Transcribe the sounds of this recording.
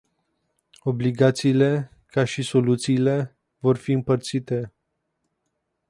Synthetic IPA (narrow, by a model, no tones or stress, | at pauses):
o̞bliɡat̪siːle̞ | kaʃiso̞lut̪siːle̞ | vo̞rfiɨmpərt̪sit̪e̞